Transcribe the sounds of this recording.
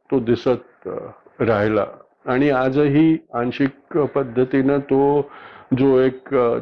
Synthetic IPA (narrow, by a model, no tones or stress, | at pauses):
t̪od̪isət̪̚ | ɾaɦla̰ː | ɽ̃iad͡zɦiːãnɕikpəd̪ʱːət̪inət̪o | d͡zoek